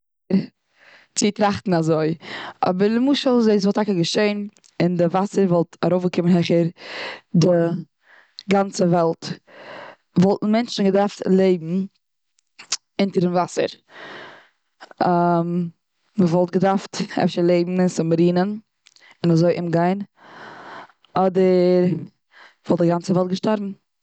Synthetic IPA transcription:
ɾ | t͡sɪtɾaχtn̩azoɪɔ̰bəɾləmuːʃəlˠzeɪs̬vɔlˠtʰakəɡəʃeɪn | ɪndɪvasəɾvɔlˠtaɾoʊfɡəkɪmənɦɛχəɾdɪ | ɡant͡səvɛlˠt | vɔlˠtn̩mɛnt͡ʃn̩ɡədaɾftlˠeɪbm̩ | ɪntəɾdɪmvasə̰ɾ | am | məvɔlˠtɡədaɾftɛ̰fʃəlˠeɪbm̩ɪnsɪmɾiːnən | ɪnəzoɪʔɪmɡaɪn | ɔdəɾ | v̥ɔlˠt̚dɪɡant͡səvɛlˠt̚ɡəʃtɔɾbm̩

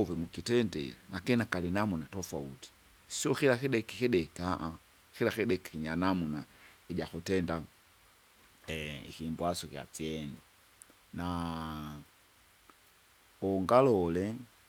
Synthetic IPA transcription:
vɛmukitɛndɛ̰anakininakalinamunatɔfauti̥ | siɔkilakiɗɛkikɛɗɛkaʔa | xilakɛɗɛkḁkiɲanamuna | iʄakutɛnda | ḭkimbwasɔkja̰t͡siɛni | na | ɔŋɡalɔlɛ

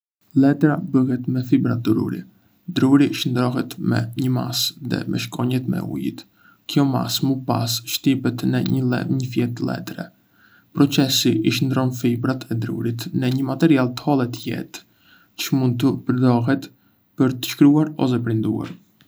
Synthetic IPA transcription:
lɛt̪ɾabəɦɛt̪mɛfibɾat̪̚d̪ɾṵɾḭ | d̪ɾuɾiʃənd̪ɾɔɦɛt̪mɛ̰ɲəma̰sðɛ̰mɛ̰ʃkɔɲɛt̪mɛ̰ṵjḭt̪ | kjɔma̰smupa̰sʃt̪ipɛt̪nɛɲəlɛ̰ɲəfjɛt̪lɛ̰t̪ɾɛ̰ | pɾɔt͡sɛsiʔiʃənd̪ɾɔnfibɾat̪ʰɛd̪ɾṵɾit̪nɛɲəmat̪ɛɾialˠt̪əhɔlˠɛt̪əjɛ̰t̪ | t͡ʃəmund̪̚t̪əpəɾd̪ɔɦɛt̪ | pəɾt̪ə̥ʃkɾuaɾɔ̰sɛpɾind̪ṵa̰ɾ

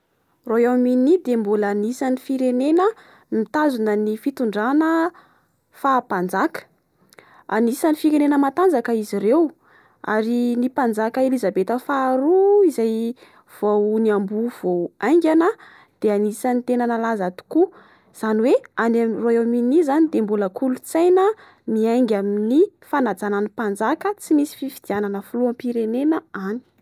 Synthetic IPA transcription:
roawminid̪embulaːnisanifiɾenenə | mit̪azunənifit̪uɳɖ͡ʐanə | faːpand͡zakə̥ | anisanifiɾenenəmat̪and͡zakəizirew | a̰ɾinipand͡zakəelizabet̪əfaɾuizaj | v̥owniambuv̥owajŋɡʲanə | d̪̥eanisanit̪enənalazat̪u̥ku | z̥aniweanamroewminizanid̪embuləkulut͡sajnə | niajŋɡʲaminifanad͡zananipand͡zakət͡simisi̥fifid̪̥iananəfuluampiɾenenəani̥

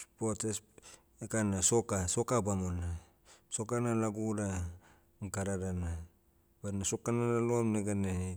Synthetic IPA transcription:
spotes | ekanasokasokabamona | sokanalaɡuɾa | ɡaɾaɾana | banasokanalalomneɡane

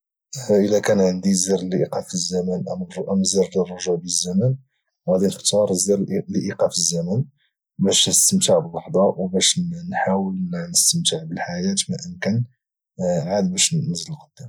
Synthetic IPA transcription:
ʔəlækænʕənd̪izəɾˤlʔiqɑfəzːæmænʔamʔəmzəɾˤlərˤːɑʒabzːæmæn | whæd̪inəxt̪ɑɾˤzɾliʔiqɑfəzːæmæn | bæʃnəst̪əmt̪əʕbəlːɑħd̪ˤɑwbæʃnħawəlnəst̪əmt̪əʕbəlħajæt̪mæʔənkæn | ʕad̪bæʃnnəzːəlɣəd̪̥ːæ

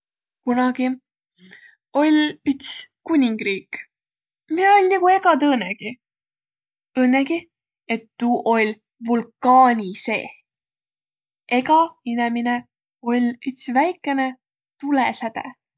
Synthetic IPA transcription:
kunɑɡ̥i | o̞lʲyt̪skunʲiŋɡ̥riːk | mio̞lʲniɡ̥ue̞ɡɑt̪ɤːneɡ̥i | ɤːneɡi | et̪ːuːʔo̞lʲ | vulkːɑːnʲise̞̰ː | ʔe̞ɡɑinemine | o̞lʲyt̪svæjkːˑe̞ne̞ | t̪ulesæt̪ḛ

